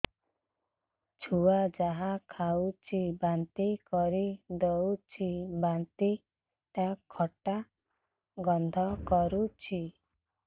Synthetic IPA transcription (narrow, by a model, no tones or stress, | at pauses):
t͡ʃʰuad͡ʒaɦakʰaut͡ʃʰibant̪ikɔɾid̪ɔwt͡ʃʰibant̪i | t̪akʰɔʈa | ɡɔnd̪ʱɔkɔɾut͡ʃʰi